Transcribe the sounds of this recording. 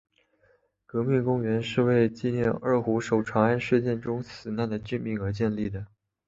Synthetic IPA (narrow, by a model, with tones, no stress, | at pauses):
kɤ˧˥mi˥˩ŋkʊ˥ŋɥɛ˧˥nʂɻ̩˥˧we˥˧ɪt͡ɕi˥˧njɛ˥˧nə˞˥˩xu˧˥ʂo˨˩ʊʈ͡ʂʰwa˧˥ŋa˥nʂɻ̩˥˧t͡ɕjɛ˥˩nʈ͡ʂʊ˥ŋsɹ̩˨˩na˥˩nd̪ə˩t͡ɕy˥˧nmi˥˩ŋə˞˧˥t͡ɕjɛ˥˧nli˥˩d̪ə˩